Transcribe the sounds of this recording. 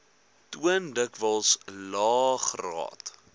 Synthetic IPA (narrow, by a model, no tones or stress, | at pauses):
tuəndəkvəlˠslɑːχrɑ̰ːt